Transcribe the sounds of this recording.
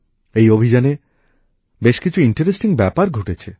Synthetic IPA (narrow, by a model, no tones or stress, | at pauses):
ejobʱid͡ʑane | beʃkit͡ɕʰuiɳʈeɾesʈiŋbɛpaɾɡʱoʈet͡ɕʰe